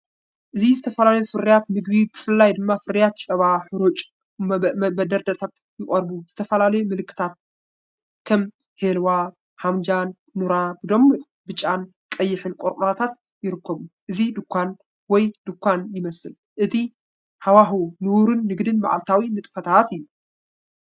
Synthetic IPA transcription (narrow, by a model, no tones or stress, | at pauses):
ʔɨzizɨt̪ʰɐfɐlalɐjufɨɾɨjat̪̚mɨɡ̚bibɨfɨlːajd̪ɨmːafɨɾɨjat̪sʼɐβaħɨɾot͡ʃʼ | bɐd̪ɐɾd̪ɐt̪ʰat̪ | jɪχʼɐɾbuz̥ɨt̪ʰɐfɐlalɐjumɨlɨkːɨ̥t̪ʰat̪̚ | kʰɐm | helwa | hamd͡ʒanːuɾabɨd̪omːuʔ | bɨt͡ʃʼːan | kʼɐjːɪħɨnkʼoɾʔʼuɾat̪ʰat̪ | jɪɾɨkʰːɐβuʔɨzid̪ɨkʰʷːan | wɔjd̪̥ɨkʷːanjɪmɐsɨl | ʔɨt̪ʰi | hawaɦunɨwuɾɨnːɨɡd̪ɨnma̰ʕa̰lt̪ʰawinɨt̪ʼɨfɐt̪ʰat̪ɨjːu